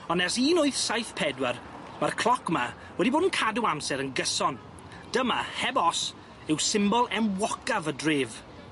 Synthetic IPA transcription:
ɔnːɛsiːnoɨθsajθpʰɛdwər | markʰl̥ɔkma | wɛdiboːdn̩kʰadʊamsɛɾənɡəsɔn | d̥əmahɛbɔs | ɪwsɪmbɔlˠɛmwɔkavədreːv

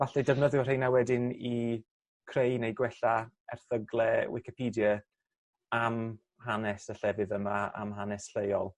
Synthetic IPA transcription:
vaɬɛdəvnəðjʊr̥ejnawɛdɪni | kʰrejnejɡwɛɬaɛ̰rθəɡlˠɛwʔɪ̰kɪpʰiːdjə | am | hanɛsəɬɛvɨðəmaa̰mɦanɛsɬejɔlˠ

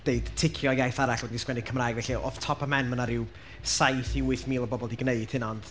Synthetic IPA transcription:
d̥eɨd̥tʰɪkʰjɔjajθaɾaɬowdindiskwɛnɪ̥kʰəmraːjɡvɛɬiɔ̰ðtʰɔpʰamɛnmənaɾɪw | sajθɪwɪθmiːlˠɔbɔbɔlˠiɡneɨd̥hɪnɔnd̥

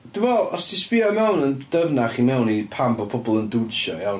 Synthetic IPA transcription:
d̥uvɛɔsdɪspiɔmɛwnənd̥əvnaχimɛwnipʰampɔpʰɔbɔlˠəndunʃɔ̰jaw

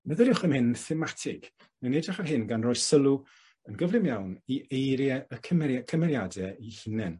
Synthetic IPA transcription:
mɛðəɾɪwχəmhɪnθɪmatʰɪɡ | nɛnɛdrɛχarɦɪnɡanrɔɨsəlˠu | ənɡəvlˠɪmjawniejɾjɛəkʰəmkʰəmɛɾjadɛihɪnɛn

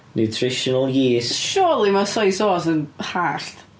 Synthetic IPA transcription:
njutʰɹɪʃənəlˠjiːsʃuːlˠimasɔjsɔːzənhart

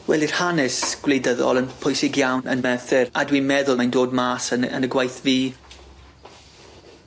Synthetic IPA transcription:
wɛ̰lɪr̥hanɪsɡ̥lejdəðɔ̰lˠənpʰʊjsɪɡjawnʔə̰nmɛθɪradwiːmɛðʊlmajndoːdmaːsənə̰nəɡwajθviː

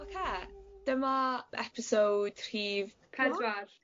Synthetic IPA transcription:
okʰeːd̥əmaʔɛpʰɪsowd̥r̥iːv | kʰasɡar

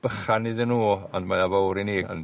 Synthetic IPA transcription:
b̥əχaniðɪnuːɔndmajnavowɾiniːa̰n

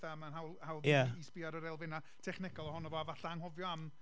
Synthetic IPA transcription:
amanhawlˠhawlˠjaisb̥ɪaɾəɾɛlˠvɪna | tʰɛχnɪkɔlˠɔhɔnɔvoːavaɬaːŋhɔvjɔam

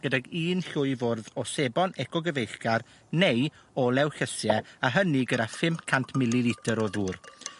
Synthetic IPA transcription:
ɡ̥ədaɡiːnɬʊɨvʊrðɔsɛbɔnɛkʰɔɡəvejχkar | nej | ɔlˠɛwɬəsjɛaɦənɪɡədafɪmpkʰantʰmɪlˠilˠitʰəɾɔðuːr

